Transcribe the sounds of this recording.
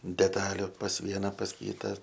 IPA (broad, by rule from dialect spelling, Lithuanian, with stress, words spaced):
dʲɛˈtɑːlʲʊ pɐs ˈʋʲiɛnɐ pɐs ˈkʲiːtɐ